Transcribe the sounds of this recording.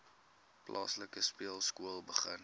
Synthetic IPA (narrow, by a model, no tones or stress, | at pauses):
plʔɑ̰ːsləkəspiəlˠskuəlˠbəχən